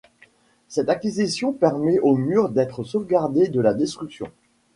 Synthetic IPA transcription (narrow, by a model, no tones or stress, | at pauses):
sɛt̪akʲizisjɔ̃pɛʁmɛʔomyʁd̪ɛt̪χəsovɡaʁd̪ed̪əlad̪est̪χyksjɔ̰̃